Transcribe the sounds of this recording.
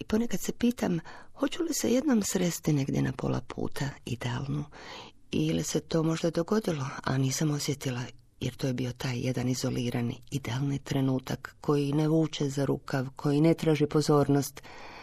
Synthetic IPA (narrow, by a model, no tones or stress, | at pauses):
ipo̞ne̞kad̪se̞piːt̪amho̞t͡ɕulise̞̰je̞d̪no̞msɾest̪ine̞ɡd̪je̞̰nʔapo̞̰lʔa̰pʰṵːt̪ʰaḭd̪ea̰lˠnu | ilise̞t̪o̞ːmo̞ʒd̪ad̪o̞ɡo̞d̪ilo̞a̰niːsamo̞sje̞t̪ila | jeɾt̪ojebio̞t̪aːjjed̪anizo̞liːɾʔanḭid̪ealˠnit̪ɾe̞nuːt̪akːo̞jineʋuːt͡ʃezaɾṵːkaʋkʰo̞jine̞t̪ɾaːʒipo̞zo̞ːɾno̞st̪